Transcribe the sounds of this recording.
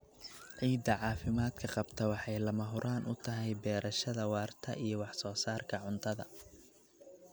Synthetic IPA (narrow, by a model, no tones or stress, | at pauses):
ʕiːd̪ɐʕɑːfɪmaːd̪kʰɐqɑbt̪ʰɐwɑħɑjlɐmɐɦʊɾʔaːnʔʊ̰t̪ʰɐɦɛjbɛːɾʔɐʃɐðɐwɑːrt̪ʰɐ̰ʔijɞwɑħsɔːsaːrkʰɐʕʊnt̪ʰɐðɐ̰